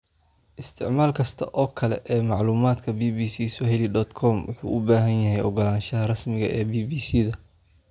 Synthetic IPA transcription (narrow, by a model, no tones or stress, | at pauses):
ʔɪst̪ʰɪʕmaːlkʰɐst̪ʰɐʔɔːkʰɐlɛ̰ʔɛːmɑʕluːmaːd̪kʰɐbiːbiːsiːsʊɦɛliɖɔːd̪kʰɔmwʔʊ̰ħṵːʔʊbaːɦɐnjɐɦɛjʔɔɡɔlaːnʃɐðɐrɐsmɪɣɐ̰ʔɛːbiːbiːsiːðɐ